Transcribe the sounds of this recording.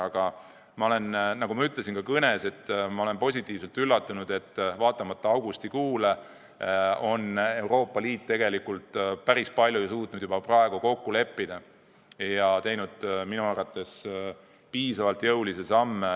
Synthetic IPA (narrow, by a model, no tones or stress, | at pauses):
ɑɡ̥ɑ | mɑo̞le̞nnɑɡumɑyt̪ˑle̞sinkɑkɤne̞se̞t̪ːmɑo̞le̞npo̞sʲit̪ːˑiːvselt̪ylːɑt̪ːˑunud̪̥e̞t̪ːˑvɑːt̪ːˑɑmɑt̪ːˑɑɑwɡ̥ust̪ikuːle | o̞ne̞wɾo̞ːpːɑliːt̪ːe̞ɡ̥e̞likult̪ˑpæɾispɑlʲjujsuːt̪ˑnud̪jubɑprɑe̞ɡ̥uko̞kːule̞pːid̪̥ɑ | jɑt̪e̞jnud̪̥̚minuɑrvɑt̪ːˑe̞s | piːsɑvɑlt̪jɤwlisesɑmːe